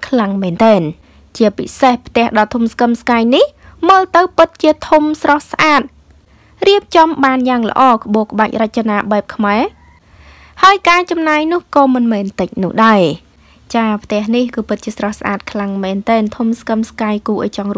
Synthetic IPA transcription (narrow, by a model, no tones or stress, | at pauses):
kʰlaŋmɛːnt̪ɛːn | t͡ɕiəpḭsehpʰt̪ɛ̆əhɗɑlt̪ʰumskəmskaːjnihməːlp̪ɨwpɨt̪̚t͡ɕiət̪ʰumsrɑhsʔaːt̪̚ | riəp̚t͡ɕɑmɓaːnjaːŋlə̰̆ʔɑːkə̆ɓoəkə̆ɓac̚rɨc̚t͡ɕanaːɓaɛp̚kʰmaɛ | haəjkaːt͡ɕɑmnaːjnʊ̆əhkɑːmɨnmɛːnt̪ɨc̚nʊ̆əhɗaɛ | t͡ɕaːpʰt̪ɛ̆əhnihkɨːpɨt̪̚t͡ɕiəsrɑhsʔa̰ːt̪̚kʰlaŋmɛːnt̪ɛːnt̪ʰumskəmskaːjkuːʔa̰ːjt͡ɕɑŋr